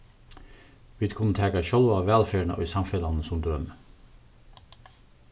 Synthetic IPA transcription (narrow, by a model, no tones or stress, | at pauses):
ʋiːd̪kʰʊnət̪ʰɛːkɑʃœlɑːʋæːlfeːɳə̰ʔo̰iːsɑmfɛlɑnəsʊmd̪øːmə